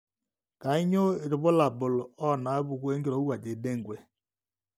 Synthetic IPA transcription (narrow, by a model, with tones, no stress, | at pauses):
ka˨ɪ˦ɲo˦˨ɾɪ˨βʊ˦la˨bʊ˨lɔ˦˨na˨a˦bu˨ku˦e˦ŋ˦ɡe˦ɾo˦u˦a˨d͡ʒe˨˦de˦ŋ̩˨ɡʷe˨